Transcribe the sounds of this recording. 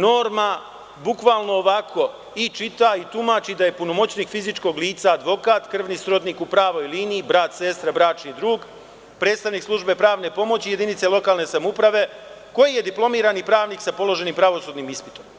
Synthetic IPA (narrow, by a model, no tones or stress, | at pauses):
no̞ːɾma | bukʋaːlˠno̞ːʋakʰo̞ | it͡ʃit̪ait̪umaːt͡ɕid̪aje̞puno̞mo̞t͡ɕniːkfizit͡ʃko̞ɡliːt̪saːd̪ʋo̞kaːt̪kr̩ʋnisɾo̞d̪niːkupɾaːʋo̞jliːniːbɾaːt̪se̞st̪ɾabɾaːt͡ʃnid̪ɾuːɡ | pɾet̪st̪aʋniːkslˠuʒbe̞pɾaːʋne̞po̞mo̞t͡ɕije̞d̪init̪se̞lo̞kaːlne̞samupɾaʋe̞ | ko̞jije̞d̪iplˠo̞miːɾanipɾaːʋniːksapo̞lˠo̞ʒe̞niːmpɾaʋo̞suːd̪niːmispit̪o̞m